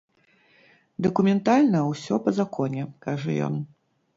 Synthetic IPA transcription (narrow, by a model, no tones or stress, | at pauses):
d̪ɐkumʲɛnt̪alʲnɐwsʲɔpɐzakʰɔnʲɛkaʐɐ̰jɔ̰n